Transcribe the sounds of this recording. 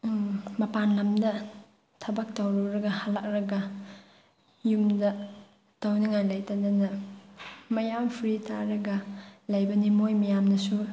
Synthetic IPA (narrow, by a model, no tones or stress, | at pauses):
mɐpanlɐmdɐ | tʰɐbɐk̚tɐwɾɐɾɐɡɐhalak̚ɾɐɡɐ | jumdɐ | tawnɐŋajlajtanɐnɐ | mɐjampʰiɾitʰaɾɐɡɐlɐjbɐnimojmɐjamnɐsu